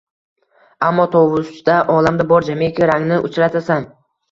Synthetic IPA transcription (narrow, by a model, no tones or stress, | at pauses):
amːɒt̪ʰowʊst͡ʃd̪aʔɒlamd̪abɒɾd͡ʒamekʲɪɾaŋnɪʔʊ̰t͡ʃɾat̪ʰasan